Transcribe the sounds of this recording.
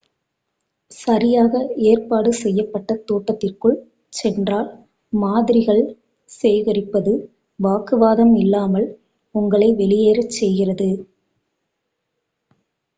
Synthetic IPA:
sɐɾɪjaːɣɐeːrpaːɽɯsɛjːɐpːɐʈːɐt̪oːʈːɐt̪ːɪrkɯɭ | sɛndraːl | maːðɪɾɪɣɐɭ | seːɣɐrɪpːɐðɯ | ʋaːkɯʋaːðɐmɪlːaːmɐɭ | ʊŋɡɐɭɐɪʋɛɭɪjeːɾɐt͡ʃːɛjɣɪrɐðɯ

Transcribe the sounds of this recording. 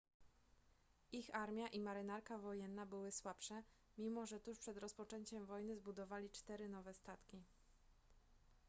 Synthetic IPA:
ixaɾmʲjaʔimaɾɘnaɾkavɔjɛnːabɘwɘswapʂɛ | mʲimɔʐɛt̪uʂpʂɛd̪ɾɔspɔt͡ʂɛɲt͡ɕɛmvɔjnɘzbud̪ɔvalʲit͡ʂt̪ɛɾɘnɔvɛst̪at̪kʲi

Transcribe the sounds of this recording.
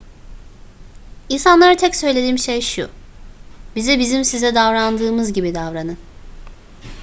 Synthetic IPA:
insanlˠaɾɯt̪ʰɛcsø̞jlʲe̞d̪iːmʃejʃṵ | bizɛbizimsizɛd̪avɾand̪ɯːmɯzɟibid̪avɾanɯn

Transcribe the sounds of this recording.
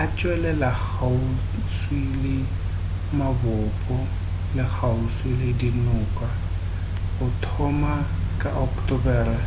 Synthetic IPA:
at͡ʃʼwɛlɛlak͡xau | swilɪ | mabɔpʼɔ | lɪk͡xʰaʊswilɪdinʊːkʼa | ʊtʰɔma | kʼaʔɔktʼɔbɛːrɛ

